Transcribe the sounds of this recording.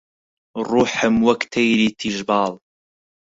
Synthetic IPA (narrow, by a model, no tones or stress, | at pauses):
rˤuːħəmwɐkt̪ʰɐjɾiːt̪ʰiʒbɑːlˤ